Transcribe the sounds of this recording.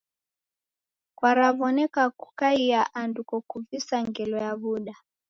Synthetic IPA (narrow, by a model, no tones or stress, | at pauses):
kwaɾavɔnɛkakukaiaʔandukɔkuvisaŋɡɛlɔjaβuɗa